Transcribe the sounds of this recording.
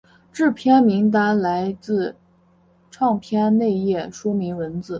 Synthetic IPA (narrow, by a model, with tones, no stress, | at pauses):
ʈ͡ʂɻ̩˥˩pʰjɛ˥nmi˧˥ŋt̪̬a˧˥la˧˥ɪt͡sɹ̩˥˧ | ʈ͡ʂʰɑ˥˧ŋpʰjɛ˥nne˥˧ɪjɛ˥˩ʂu˥mi˧˥ŋwə˧˥nt͡sɹ̩˨˩˦